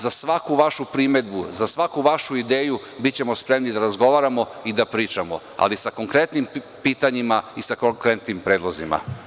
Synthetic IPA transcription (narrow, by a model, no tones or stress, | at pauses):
zasʋakuʋaʃupɾime̞d̪buzasʋakuʋaʃuid̪eːju | bitt͡ɕe̞mo̞spɾemnid̪aɾazɡo̞ʋaɾamo̞id̪apɾiːt͡ʃamo̞̰ | a̰lisakoŋkɾet̪nim | piːt̪aɲimaisakoŋkɾet̪nimpɾeːd̪lˠozima̰